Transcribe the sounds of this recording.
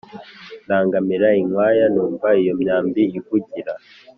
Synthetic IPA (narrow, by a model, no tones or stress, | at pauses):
ndaːŋɡamiɾaiŋwaːjanuːmvaijo̞mɲaːmbiivuɟiɾa